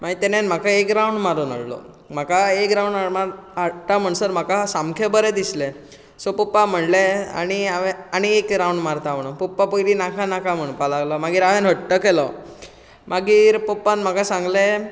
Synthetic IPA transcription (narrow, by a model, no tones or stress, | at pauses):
maɡit̪ɛnenm̤akʰaekɾawɳɖmaɾuːna̰ɽlɔ̰ | m̤akʰaekɾawɳaɾmaɾɦaɽʈam̤əɳsəɾm̤akasamkʰebəɾɛd̪islẽ | sopupːam̤əɳlea̰ñiaʋeaɽ̃iekɾawɳɖmaɾt̪am̤əɽunpupːapojɾinakʰanakʰam̤əɳpalaɡlɔmaɡiːɾaʋenɦəɽʈəkelɔ | maɡiːɾpopːanm̤akasãŋɡle